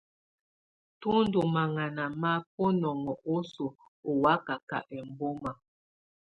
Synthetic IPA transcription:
tu˦n̩˦du˨ma˨ŋa˨na˨ma˦p̚o˦nɔ˨ŋɔ˨ʔo˦so˨ | o˨wa˦ka˨ka̰˨ʔɛ˨m̩˨bo˦ma˨

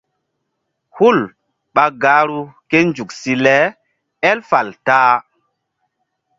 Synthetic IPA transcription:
hu˦˨l | ɓa˨ɡa˨˦ɾu˦ke˦nd͡ʒu˨k̚si˦lɛ˨˦ | ɛ˦lfa˨ltaː˦

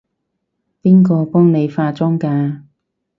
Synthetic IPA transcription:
piː˥nkɔː˧pɔː˥ŋne˨˧jfaː˧t͡sɔː˥ŋkaː˧

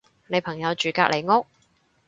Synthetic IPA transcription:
ne˨˧jpʰɐ˨˩ŋjɐ˨˧wt͡ʃyː˨ka̰ː˧k̚lʔe˨˩jŋʊ˥k̚

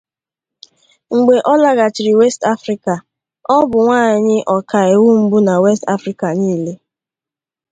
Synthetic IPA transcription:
ŋ͡m̩˨ɡ͡be˨ʔɔ˦la˦ɣa˨t͡ʃɪ˨ɾi˨we˦sta˦fɾi˦ka˨ | ɔ˦bʊ˨ŋʷaː˦˨ɲ˨ɲɪ˦ʔɔ˨ka˨e˨wu˦m̩˦bu˦na˨we˦sta̰˦fɾi˦ka˨niː˦le˦

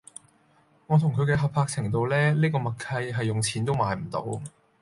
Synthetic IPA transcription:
ŋɔː˨˧t̪ʰʊ˨˩ŋkʰɵ˨˧kɛː˧ɦɐ˨pʰaː˧k̚t͡sʰɪ˨˩ŋt̪o˧wlɛː˥liː˥kɔː˧mɐ˨k̚kʰɐ˧jɦɐ˨jːʊ˨ŋt͡sʰiː˨˥nt̪o˥wmaː˨˧jm̩˨˩t̪o̰˨˥w

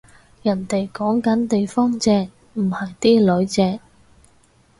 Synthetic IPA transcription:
jɐ˨˩nt̪e˨jkɔː˨˥ŋkɐ˨˥nt̪e˨jfɔː˥ŋt͡sɛː˧k̚ | m̩˨˩hɐ˨jt̪iː˥lɵ˨˧˥ɥt͡sɛː˧k̚

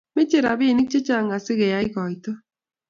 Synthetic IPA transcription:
me˦t͡ʃe˦˨ɾa˨βi˦˨nɪ˦k̚t͡ʃe˦t͡ʃa˦˨ŋɡa˨sɪ˦ɣɛ˨ja˦i˦ɣɔ˨i˨to˦

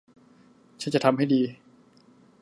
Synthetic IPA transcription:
t͡ɕʰa˦˥nt͡ɕa˨˩t̪ʰa˧mha˥˩jdiː˧

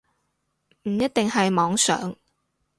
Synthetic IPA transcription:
m̩˨˩jɐ˥t̪̚t̪ɪ˨ŋhɐ˨jmɔː˨˥ŋsœ̰ː˨˥ŋ

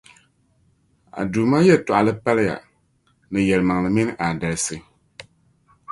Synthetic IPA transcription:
a̰˨duː˨ma˦jɛ˦˨tʊ˨ʔa˨lɨ˦pa˦lɨ˦ja̰˨ | nɨ˨jɛ˨lɨ˨ma˨ŋlɨ˨mi˦n˦ʔa˨da˨lɨ˦˨sɨ˦

